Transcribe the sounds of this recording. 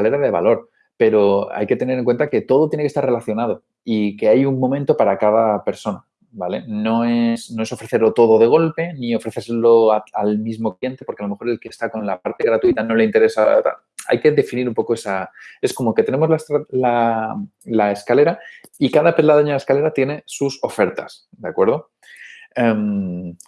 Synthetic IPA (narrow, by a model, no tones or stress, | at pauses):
kale̞ɾaðe̞βa̰lo̞ɾ | pe̞ɾo̞a̰jke̞t̪e̞ne̞ɾeŋkwent̪ake̞t̪o̞ðo̞t̪jenekest̪are̞laθjo̞nað̞o̞ | ike̞ajuŋmõ̞mẽnt̪o̞paɾakað̞ape̞ɾso̞na | bale̞no̞esno̞e̞so̞fɾe̞θelo̞t̪o̞ðoðe̞ɣ̞o̞lpe̞nio̞fɾe̞θe̞ɾselo̞aalmizmo̞klje̞nt̪e̞po̞ɾkealome̞xo̞ɾe̞lkest̪ako̞nlapaɾt̪e̞ɣɾat̪uit̪ano̞le̞int̪e̞ɾe̞sat̪a̰l | a̰jke̞ðe̞finiɾumpo̞koe̞sae̞sko̞mo̞ke̞t̪e̞ne̞mo̞zlast̪la | lae̞skale̞ɾaikaðape̞laðeɲaaeskale̞ɾat̪je̞ne̞suso̞fe̞ɾt̪a̰s | d̪eakwe̞ɾð̞o̞ | em